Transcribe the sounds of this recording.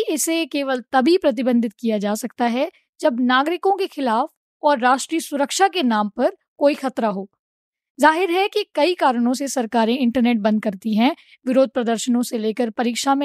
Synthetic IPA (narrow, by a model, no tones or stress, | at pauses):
ɪsekeːʋəlt̪ɐbʱipɾɐt̪̬ɪbə̃nd̪ʱɪt̪̚kijad͡ʒaːsɐkt̪aɦɛ | d͡ʒɐbnaːɡɾɪkõkexɪlaːf | ɔːɾːaːʃʈɾiːəsʊɾəkʃakenaːmpɐɾ | koːixɐt̪ɾaɦoː | zaːɦɪɾɦɛkikɐikaːɾəɽ̃õsesɐɾkaːɾẽɪ̃ɳʈəɾneːʈ̚bɐ̃nd̪̚kɐɾt̪iɦɛ̃ | ʋɪɾoːd̪̚ʱpɾɐd̪əɾʃənõseleːkəɾpɐɾiːkʃamẽ